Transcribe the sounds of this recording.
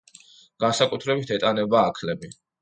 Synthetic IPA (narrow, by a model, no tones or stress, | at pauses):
ɡ̥ansakʼut̪ʰɾɛbit̪ʰɛt̪ʼanɛbaːkʰlɛbi